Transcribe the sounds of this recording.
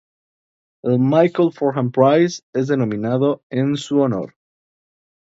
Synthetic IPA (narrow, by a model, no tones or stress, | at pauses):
elmajkelfoɾxãmpɾajsezðe̞nõ̞mĩnaðo̞ensuono̰ɾ